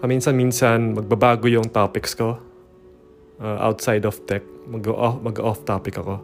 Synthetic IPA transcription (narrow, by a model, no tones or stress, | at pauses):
pɐminsɐnminsɐnmɐɡ̚bɐbaːɡojʊŋt̪aːpɪksko̞ | ʔaʔa̰wt̪sajd̪ɔft̪ɛk̚mɐɡɐʔomɐɡɐʔɔft̪aːpɪkɐko̞